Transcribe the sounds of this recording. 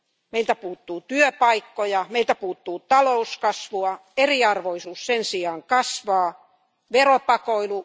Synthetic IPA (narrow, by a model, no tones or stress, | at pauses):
meilt̪æpuːt̪ːuːt̪yøpɑikːojɑmeilt̪æpuːt̪ːuːt̪ɑlouskɑsʋuɑeriɑrʋoisuːssensiɑːŋkɑsʋɑː | ʋeropɑkoilu